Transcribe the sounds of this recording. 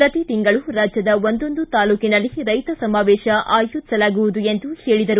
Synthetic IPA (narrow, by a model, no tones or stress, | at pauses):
pɾɐt̪it̪iŋɡɐɭuɾaːd͡ʒjɐd̪ɐʋo̞nd̪o̞nd̪ut̪aːluːkinɐlːiɾɐjt̪ɐsɐmaːʋɛːʃɐʔaːjuisɐlaːɡuʋud̪ue̞nd̪uheːɭid̪ɐɾu